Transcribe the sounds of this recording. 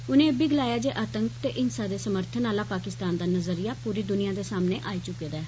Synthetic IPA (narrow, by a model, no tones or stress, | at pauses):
ʊnẽːbiːɡəlaːjaːd͡ʒeːʔaːt̪əŋkt̪eːʔɪnsaːd̪eːsəməɾt̪ʰənaːlaːpaːkɪst̪aːnd̪aːnəzəɾijaːpuːɾiːd̪ʊnɪjãːd̪eːsaːmneːʔaːiːt͡ʃʊkːeːd̪aɛː